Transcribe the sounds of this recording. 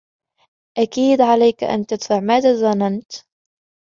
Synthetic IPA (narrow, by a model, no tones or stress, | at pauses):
ʔakiːd̪ʕalajkaʔa̰nt̪at̪faʕmaːd̪azˤanant̪